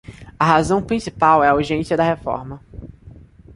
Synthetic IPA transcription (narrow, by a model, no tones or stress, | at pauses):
ɐɦazɐ̃w̃pɾĩsipawɛɐuɾʒẽsiɐd̪ɐhefɔ̰ɾmɐ